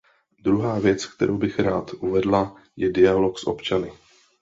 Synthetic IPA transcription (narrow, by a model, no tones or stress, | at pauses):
d̪ɾuɦaːvjɛt͡skt̪ɛ̰ɾʔowbɪxɾaːt̪ʔuvɛdla | jɛdɪalo̞ksʔo̞̰pt͡ʃanɪ